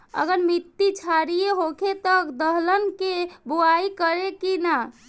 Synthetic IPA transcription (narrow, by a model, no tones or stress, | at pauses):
ə̰ɡəɾmit̪ːit͡ʃʰaɾijeɦokʰet̪əkd̪əɦlənkebuaikəɾekina